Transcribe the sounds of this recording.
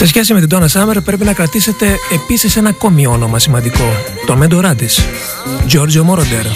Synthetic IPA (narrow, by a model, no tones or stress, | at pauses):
se̞sçe̞sime̞t̪id̪onɐsɐmeɾpɾe̞p̬inɐkɾɐt̪ise̞t̪e̞ːpisise̞nɐko̞mio̞no̞mɐsimɐnd̪iko̞ | t̪omed̪oɾɐd̪is | d͡ʒo̞ɾd͡ʒomoɾod̪eɾ